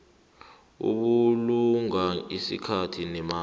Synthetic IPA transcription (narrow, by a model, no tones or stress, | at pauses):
ṵk̬uluŋaisḭkʰatʰinɛmaː